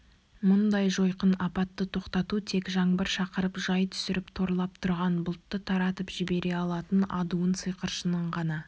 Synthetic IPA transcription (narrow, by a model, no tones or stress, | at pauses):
mʊnd̪ɑjʒo̞jqənɑpɑt̪ːət̪ʰo̞qt̪ɑt̪ut̪ʰe̞kʒɑŋbəɾʃɑqəɾəpʒɑjt̪ʰʏ̥sɪɾɪpt̪ʰo̞ɾlˠɑp̚t̪ʰʊɾʁɑnbʊlˠt̪ːət̪ʰɑɾɑt̪əpʒɪbe̞ɾe̞ɑlˠɑt̪ənɑd̪uənsɨjqəɾʃənəɴʁɑnɑ